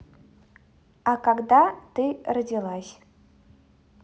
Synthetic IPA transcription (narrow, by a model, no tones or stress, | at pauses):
akaɡd̪at̪ɨradʲilˠasʲ